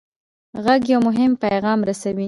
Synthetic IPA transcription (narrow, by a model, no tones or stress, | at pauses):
ɣaɡjawmʊɦɪmpajɣɑmɾasawi